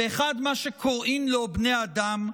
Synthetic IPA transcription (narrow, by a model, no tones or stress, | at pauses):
eeχad̪maʃekʰoʁʔimlobnejaaːd̪am